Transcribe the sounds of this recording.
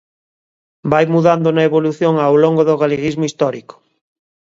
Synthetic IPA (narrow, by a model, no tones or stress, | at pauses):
bajmuðand̪ʊnɐeβoluθjoŋaːwloŋɡoðʊɣaleɣizmoist̪ɔɾikʊ̥